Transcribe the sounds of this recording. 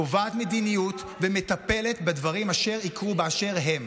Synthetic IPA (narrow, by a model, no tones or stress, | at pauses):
ovaːt̪me̞d̪inijut̪ | vemet̪ape̞le̞t̪bed̪vaʁimaʃe̞ʁikʁubeaʃe̞ʁɦe̞m